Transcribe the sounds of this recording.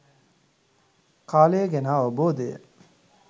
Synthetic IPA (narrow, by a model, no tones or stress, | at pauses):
kaːleːɡenaːoboːd̪ḛ